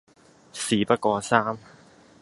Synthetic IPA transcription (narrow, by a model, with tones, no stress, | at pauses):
siː˨˧pɐ˥t̚kɔː˧saː˥m